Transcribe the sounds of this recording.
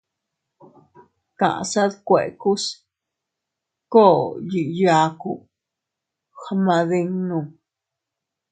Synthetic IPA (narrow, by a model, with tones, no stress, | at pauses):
kã̰˨sa˦d̪kʷe˨ku˦s | ko˦˨ji˨ja˧kṵ˨ | xa˧ma˧d̪i˧ŋnũ˧˨